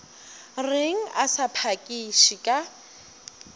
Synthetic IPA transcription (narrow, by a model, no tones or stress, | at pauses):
rɪŋ̩asapʰakʼiʃikʼa